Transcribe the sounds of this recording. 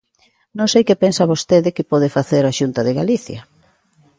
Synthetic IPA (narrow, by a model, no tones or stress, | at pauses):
nõŋsejkepensaβost̪eðɪkɪpɔðɪfaθeɾaʃunt̪ɐðɪɣaliθjɐ